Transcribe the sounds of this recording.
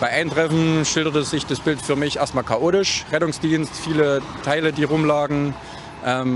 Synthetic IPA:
b̥aɪʔaɪntʁ̥ɛfn̩ʃɪldɐtəzɪçd̥asb̥ɪltfyːɐmɪçʔeːɐstmaːlkʰaʔoːtɪʃʁɛtʊŋsd̥iːnstfiːlə | tʰaɪlədiːʁʊmlaːɡŋ̩ | ʔɛːm

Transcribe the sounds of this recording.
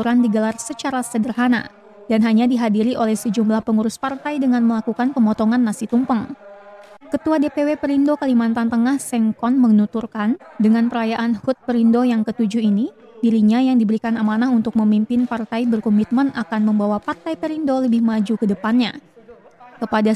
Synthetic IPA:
t̪uɾandiɡəlarsət͡ʃaɾasədərɦana̰ | danɦaɲadiɦadiɾiʔolɛhsəd͡ʒumlahpəŋuɾʊspart̪ajdəŋanməlakukanpəmɔt̪ɔŋanːasit̪umpəŋ | kət̪uadepewepəɾindokalimant̪ant̪əŋahsɛŋkɔnməŋnut̪urkandəŋanpəɾajaʔanhut̪̚pəɾindojaŋkət̪ud͡ʒuini | diɾiɲajaŋdibəɾikanamanahunt̪ʊk̚məmimpɪnpart̪ajbərkɔmit̪̚mənakanməmbawapart̪ajpəɾindoləbɪhmad͡ʒukədəpanɲa̰ | kəpada

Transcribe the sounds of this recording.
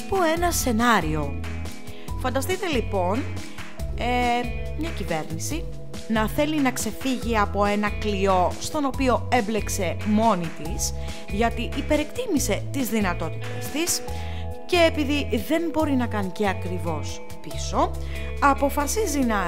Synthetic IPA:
ɐpoe̞nɐse̞nɐɾio̞ | fɐnd̪ɐst̪it̪e̞lipo̞n | e | mɲɐcive̞ɾnisi | nɐθe̞linɐkse̞fiʝiɐpo̞e̞nɐklio̞st̪o̞no̞pio̞e̞mble̞kse̞mo̞nit̪is | ʝɐt̪iʔːpe̞ɾe̞kt̪imise̞t̪izðinɐt̪o̞t̪i̥t̪e̞st̪is | ce̞ːpiðiðe̞mbo̞ɾinɐkɐnce̞ɐkɾivo̞s | piso̞ | ɐpo̞fɐsizinɐ

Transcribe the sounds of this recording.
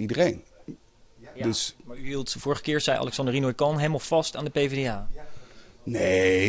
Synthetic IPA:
idərejn | dəsmaːɹyɦilˠtv̥ʊːɹχə̥kɪːɹsɛjʔɑ̰lɛksɑndərinojkɑnɦelmɑlˠv̥ɑstaːndəpejvedeaː | ne

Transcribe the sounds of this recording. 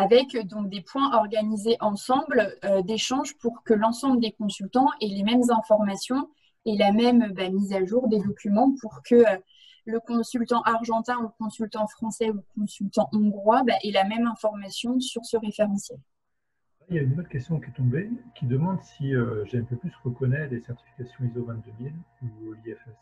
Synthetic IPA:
avɛkd̪ɔ̃k̚d̪epwɛ̃ʔɔʁɡanizeʔɑ̃sɑ̃blød̪eʃɑ̃ʒpuʁkəlɑ̃sɑ̃bləd̪ekɔ̃sylt̪ɑ̃ʔɛlemɛmzɛ̃fɔʁmasjɔ̃ | ɛlamɛmøbamizaʒuʁd̪ed̪ɔkʲymɑ̃puʁkʰəø | ləkɔ̃sylt̪ɑ̃ʔaʁʒɑ̃t̪ɛ̃ukɔ̃sylt̪ɑ̃fχɑ̃sɛukɔ̃sylt̪ɑ̃ʔɔ̃ɡʁwabaʔɛlamɛmɛ̃fɔʁmasjɔ̃syʁsəʁefeʁɑ̃sjɛl | lajaynot̪kɛst̪jɔ̃kʲiɛt̪ɔ̃bekʲid̪əmɑ̃d̪siøʒɛ̃pøplysʁəkɔnɛtlesɛʁt̪i̥fi̥kʲasjɔ̃izɔvɛ̃t̪̚d̪əmiluliɛfɛs

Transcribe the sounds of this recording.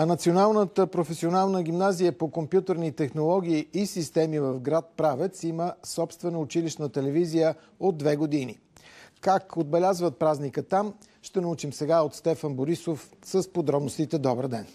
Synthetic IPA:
ɐnɐt̪sionalˠnət̪əpɾofɛsʲionalˠnəɡ̟ʲimnazijəpokompjut̪əɾnit̪ɛxnolˠɔɡ̟ʲiːsist̪ɛmivəfɡɾat̪̚pɾavɛt̪siməsɔpst̪vɛnəʊt͡ʃiliʃnət̪ɛlɛvizijə | od̪ːvɛɡod̪inḭ | kakod̪̚bɛlʲazvət̪̚pɾaznikət̪am | ʃt̪ɛnɐut͡ʃimsɛɡaot̪st̪ɛfənboɾisof | səspod̪ɾɔbnost̪it̪ɛd̪ɔbəɾd̪ɛn

